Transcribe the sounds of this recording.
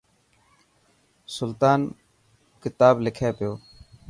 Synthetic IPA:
sʊlt̪aːn | kɪt̪aːblɪkʰeːpɪjoː

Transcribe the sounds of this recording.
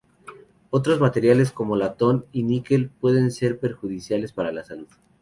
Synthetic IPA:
o̞t̪̬ɾo̞zmat̪e̞ɾjales̬ko̞mo̞lat̪o̞ninike̞lpwe̞ðe̞nse̞ɾpe̞ɾxuðisjale̞spaɾalasaluð

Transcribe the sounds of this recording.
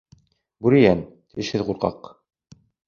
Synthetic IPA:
buɾijænt̪iɘʃhɘðʁuɾqɑ̰q

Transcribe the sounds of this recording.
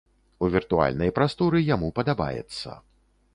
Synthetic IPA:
uvʲirt̪ua̰lʲnɐjpɾast̪ɔɾɨjamupɐd̪aba̰jɛ̰t̪sːɐ̰

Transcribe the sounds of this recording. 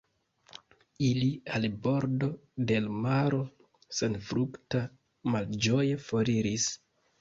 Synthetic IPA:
ilialbo̞ɾdo̞de̞lmaɾo̞ | se̞nfɾukta | mald͡ʒo̞jefoɾiɾis

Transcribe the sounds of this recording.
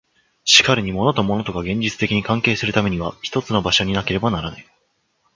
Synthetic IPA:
ɕi̥kaɾɯ̟ɲ̟imo̞no̞t̪o̞mo̞no̞t̪o̞kaɡẽ̞ɲ̟d͡ʑit͡sɨ̥t̪ekʲiɲ̟ikãŋke̞ːsɨɾɯ̟t̪ame̞ɲ̟iβ̞açi̥t̪o̞t͡sɨno̞baɕo̞ɲ̟inake̞ɾe̞banaɾanai

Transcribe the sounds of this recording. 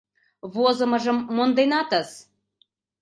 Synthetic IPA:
βozɤ̆mɤ̆ʒə̆mːond̪enɑt̪ə̆z

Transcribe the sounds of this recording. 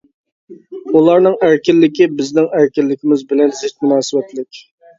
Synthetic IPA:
ulˠɑɾnɨŋæɾkʲɪlːɪkʲibɪznɪŋæɾkʲilːɪkʲɪmɪzbɪlɛnzɪt̪̚munɑːsɨbɛt̪lɪkʲ

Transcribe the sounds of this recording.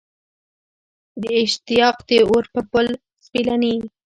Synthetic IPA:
d̪əɪʃt̪ijɑqd̪eoɾpəpəl | spilani

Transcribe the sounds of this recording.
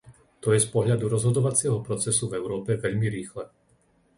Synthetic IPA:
t̪ɔjɛspɔɦʎad̪uɾɔzɦɔd̪ɔʋat͡sɪɛɦɔpɾɔt͡sɛsuvɛʊɾɔːpɛʋɛʎmiɾiːxlɛ

